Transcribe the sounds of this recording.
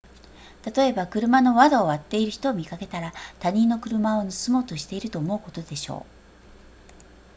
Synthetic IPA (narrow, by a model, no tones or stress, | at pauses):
t̪at̪o̞e̞bakɯ̟ɾɯ̟mano̞βad̪oːβat̪ːe̞iɾɯ̟çi̥t̪o̞ːmʲikake̞t̪aɾat̪aɲ̟ĩnːo̞kɯ̟ɾɯ̟mao̞nɯsɨmo̞ːt̪oɕi̥t̪e̞iɾɯ̟t̪oːmo̞ɯ̟ko̞t̪o̞d̪e̞ɕo̞̰ː